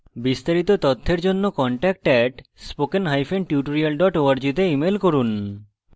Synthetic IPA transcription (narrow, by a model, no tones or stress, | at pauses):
bist̪aɾit̪ot̪ot̪ʰːeɾd͡ʑonːokɔɳʈɛk̚ʈɛʈspokenɦajfeɳɖʈjuʈoɾialɖɔʈoaɾd͡ʑit̪̬eimelkoɾun